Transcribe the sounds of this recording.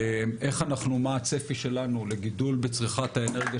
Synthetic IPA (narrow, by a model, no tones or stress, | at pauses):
mʔe̞χanaχnumaːt͡sefiʃe̞lanule̞ɡidulbet͡sʁiχat̪haeneʁɡja